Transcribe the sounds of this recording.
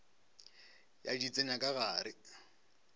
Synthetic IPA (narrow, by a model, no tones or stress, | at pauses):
ja̰dit͡sʼeɲakʼaɣaːɾɪ